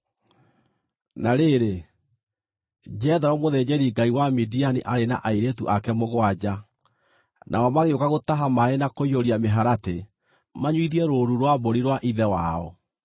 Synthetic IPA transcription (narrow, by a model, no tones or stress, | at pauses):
naɾeɾe | d͡ʑɛðaɾɔmoðɛd͡ʑɛɾiɡaiwamidianiʔaɾena̰ʔaiɾetuʔakɛmoɣwad͡ʑa | nʔa̰ɔmaɣeokaɣotaɦamaenakoioɾiameɦaɾate | maɲwiðiɛɾoɾuɾwaboɾiɾwaʔiðɛwaɔ̰